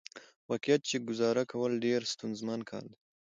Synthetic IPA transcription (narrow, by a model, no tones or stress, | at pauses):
wɑqijat̪̚t͡ʃeɡʊzɑɾakʰawəlɖeɾst̪unzmɑnkʰɑ̰ld̪